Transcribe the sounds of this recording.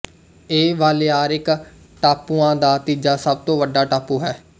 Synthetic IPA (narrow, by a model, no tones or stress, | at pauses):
eːʋaːleːaːɾɪk | ʈaːpuːãːd̪aːt̪iːd͡ʒaːsəb̚t̪õːʋəɖaːʈaːpuːɦɛː